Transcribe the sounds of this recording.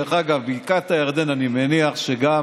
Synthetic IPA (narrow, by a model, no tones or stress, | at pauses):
χaɡavbiikat̪aeʁd̪enanimeniaχʃeɡa